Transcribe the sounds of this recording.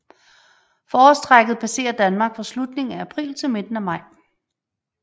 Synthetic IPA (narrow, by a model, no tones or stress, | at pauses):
fɒːsd̥ʁaɡ̥ð̩ˠpʰæse̝̰ːɐd̥ænmɑ̈ɡ̥fɒ̽slud̥ne̝ŋ̩ææpʰʁḭːlt͡sʰe̝lme̝d̥n̩æmɑ̈ɪ̰